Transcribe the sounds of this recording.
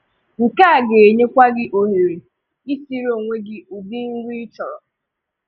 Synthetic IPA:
ŋ̩˨ka˦˨ɡe˨ɲe˦kʷa˦ɡɪ˦ʔo˨ɦe˨ɾe˨ | i˦si˦ɾo˦˨ŋʷe˦ɡɪ˦u˨bi˦ŋ̩˦ɡʷi˦t͡ʃɔ˨ɾɔ˨

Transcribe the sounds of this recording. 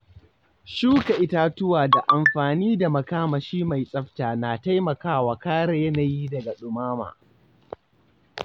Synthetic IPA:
ʃuː˦ka˨ʔɪ˦ta˦tʊ˦waː˨da˨ʔa˨mɸaː˨niː˦da˨mɐ˨kaː˦ma˨ʃiː˦ma˨jsʼɐ˦ɸtaː˨na˨ta˦jmɐ˨kaː˦waː˨kaː˦ɽa˨jɐ˦na˨jiː˦dɐ˨ɡa˨ɗʊ˨maː˦ma̰ː˨

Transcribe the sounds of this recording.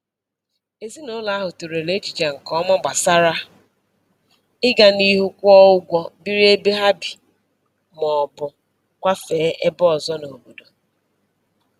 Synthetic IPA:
e˨zi˦no˨˦la˨a˦ɦʊ˨tu˨ɾe˨le˦t͡ʃi˨t͡ʃe˨ŋ̩˨kɔ˦mɔ˦ɡ͡ba˨sa˦ɾa˦ | ɪ˦ɡa˦ni˦ɦu˦kʷɔ˦ʊ˦ɡʷɔ˦bi˦ɾi˦e˦be˦ɦa˦bi̥˨ | mɔ˨bʊ˨ | kʷa˦feː˨˦ʔe˦bɔ˦ɔ˨zɔ˦no˨bu˨do˨

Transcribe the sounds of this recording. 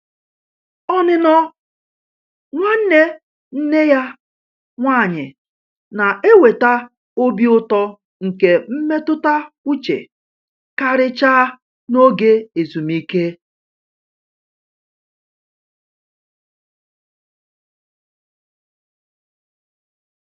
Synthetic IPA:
ɔ˦nɪ˦nɔ˦ | ŋʷa˦n̩˦ne˦ | n̩˦ne˦ja˦ | ŋʷaː˦˨ɲɪ˨ | na˨e˦we˨ta˦ | o˦bi˦ʊ˦tɔ˦ | ŋ̩˨ke˨m̩˦me˦tʊ˦ta˦ku˦t͡ʃḛ˨ | ka˦ɾɪ˦t͡ʃaː˦ | no˦ɡe˦e˨zu˨mi˦ke˦

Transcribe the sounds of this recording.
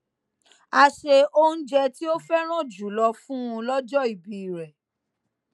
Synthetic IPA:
a˧ʃe˧o˦n̩˦d͡ʒɛ˧ti˦o˦fɛ˦ɾ̃ã˦˨d͡ʒu˨˦lɔ˧fũ˦ũ˧lɔ˦d͡ʒɔ˦i˨bi˨ɾɛ˨

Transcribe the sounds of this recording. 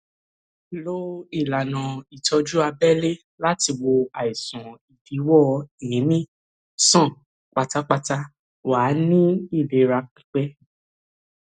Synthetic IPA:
lo˦i˦˨la˨nã˨i˨tɔ˧d͡ʒu˦a˧bɛ˦le˦ | la˦ti˧wo˧a˨i˨sã˨i˨fi˨˦wɔ˦i˨jĩ˨˦mĩ˦ | sã˦˨ | k͡pa˧ta˦k͡pa˧ta˦ | wa˨˦nĩ˦i˦˨le˨ɾa˧k͡pi̥˦k͡pɛ˦

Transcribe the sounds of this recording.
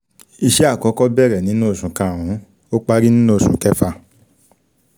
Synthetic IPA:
i˧ʃɛ˦a˦˨kɔ˨˦kɔ˦bɛ˦˨ɾɛ˨nĩ˨˦nũ˦o˦˨ʃũ˨kã˨wũ˨˦ | o˦k͡pa˦ɾi˦nĩ˦nũ˦o˨ʃũ˨˦kɛ˦fa˧

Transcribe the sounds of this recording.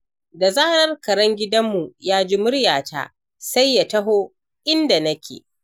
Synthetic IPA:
da˨zaː˦nɐ˦rkɐ˨ɾɐ˦ŋɡʲɪ˦dɐ˦mːu˨jaː˦d͡ʒiː˦mʊ˦ɽjaː˨ta̰ː˦ | sa˦jːa˨tɐ˦ɦoː˦ | ʔɪ˦nda˨nɐ˦kʲḛː˨

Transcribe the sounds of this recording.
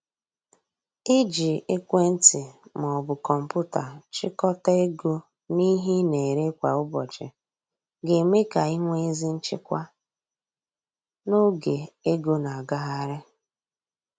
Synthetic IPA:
ɪ˦d͡ʒi˨e˦kʷe˦n̩˦tɪ˨m˨ɔ˨bʊ˨kɔ˨m̩˨pʊ˦ta̰˨t͡ʃɪ˦kɔ˦ta˦e˦ɡo˦ | ni˦ɦi˦ne˨ɾe˦kʷa˨ʊ˦bɔ˨t͡ʃɪ̰˨ | ɡe˨me˦ka˨ɪ˦ŋʷe˦e˦zi˦n̩˦t͡ʃɪ̰˦kʷa˦ | no˦ɡe˨e˦ɡo˦na˨a˨ɡa˦ɦa˦ɾɪ˦

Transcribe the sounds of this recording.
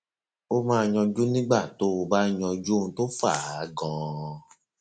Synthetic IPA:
o˦mãː˦˧ɲɔ̃˧d͡ʒu˦nĩ˦ɡ͡ba˦˨to˦o˧ba˦ɲɔ̃˧d͡ʒũ˦˧to˦fa˦˨˦ɡɔ̃˨

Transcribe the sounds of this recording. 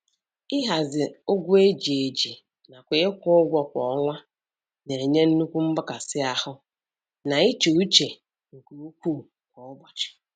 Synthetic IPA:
ɪ˦ɦa˨zɪ˨ʊ˦ɡʷʊ˦e˦d͡ʒi˨e˨d͡ʒi˨ | na˨kʷe˨˦ɪ˦kʷʊ˦ʊ˦ɡʷɔ˨kʷɔ˨˦ŋʷa˦ | ne˨ɲe˦n̩˦nu˦kʷu˦m̩˦bʊ˦ka˨sɪ˦a˨hʊ˦ | na˨i˦t͡ʃu˨u˦t͡ʃe˨ | ŋ̩˨ku˨u˦kʷuː˦˨ | kʷɔ˨ʊ˦bɔ˨t͡ʃɪ̥˨

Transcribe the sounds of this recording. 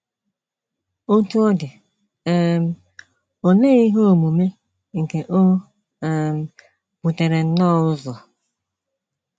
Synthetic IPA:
o˦tu˦ɔ˦dɪ˨ | ɛ˦m̩˦ | o˨ne˦i˦ɦo˦o˨mu˨me˦ | ŋ̩˨ke˨ʔo˦˨ | m˦ | b̥u˨te˨ɾe˨n̩˦nɔ˦ʊ˦zɔ˨

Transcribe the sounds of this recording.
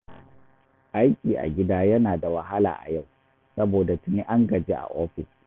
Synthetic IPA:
ʔa˦jkʲiː˨ʔa̰˨ɡʲɪ˦daː˦jɐ˦naː˨da˨wɐ˨ɦa˦la̰ː˨ʔa̰˨ja˦˨w | sɐ˦boː˨da˨tʊ˨ni˦ʔa˦ŋɡɐ˨d͡ʒeː˦ʔa̰˨ʔoː˦ɸɪ˨s

